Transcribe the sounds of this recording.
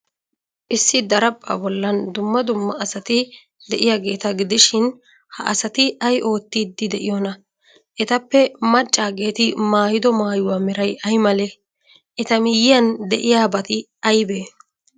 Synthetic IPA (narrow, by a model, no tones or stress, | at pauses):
ʔɪsːɪd̪ɐɾɐpʼːa̰ːbɔlːɐnd̪ʊmːɐd̪ʊmːɐɐsɐt̪ɪ | d̪ɛʔɪjaːɡe̞ːt̪ɐɡɪd̪ɪʃɪn | hɐ̰ʔɐsɐt̪ɪʔɐjʔo̞ːt̪ːiːd̪ːɪd̪ɛʔɪjonɐ | ʔɛt̪ɐpːɛmɐt͡ʃʼːaːɡe̞ːt̪ɪmaːjɪd̪ɔmaːjʊwaːmɪɾɐjʔɐjmɐleː | ʔɛt̪ɐmɪjɪjɐnd̪ɛʔɪjaːbɐt̪ɪ | ɐjbeː